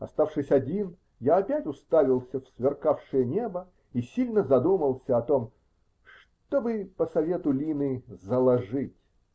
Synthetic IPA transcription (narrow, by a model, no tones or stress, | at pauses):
ɐ̰st̪afʂɨsʲɐdʲin | jaːpʲætʲʊst̪avʲɪlˠsʲəfsvʲɪrkafʂɨjənʲe̞bə | isʲilʲnəzɐd̪uməlˠsʲəɐt̪om | ʂ | t̪o̞bɨpəsɐvʲe̞t̪ʊlʲinɨzəlˠɐʐɨtʲ